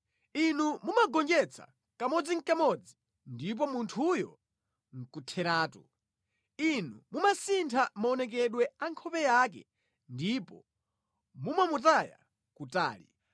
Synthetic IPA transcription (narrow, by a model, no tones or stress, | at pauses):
inumumaɡɔnd͡ʒɛt͡sʰa̰ | kamɔd͡ziŋ̩kamɔd͡zi | ndip̬ɔmuntʰujɔ̰ | ŋ̩kutʰɛɾaːtɔ | inumumasintʰamaɔnɛk̬ɛɗwɛaŋkʰɔpɛjaːk̬ɛ̰ | ndipɔ̰ | mumamutaja̰ | kuta̰ːlḭ